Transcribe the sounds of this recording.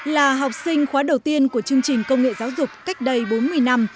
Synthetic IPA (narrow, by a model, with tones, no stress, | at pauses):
laː˨˩ɦɔ˨˩wk͡p̚sï˧ŋ̟xwaː˨˦ɗə˨˩wt̪i˧ənku˧˩ət͡ɕɨ˧əŋt͡ɕï˨˩ŋ̟kə˧wŋ͡mŋḛ˧˨zaː˨˦wzʊ˨˩k͡p̚ka˦˥jk̟̚ɗə˧jɓo˨˦nmɨ˧əjna˧m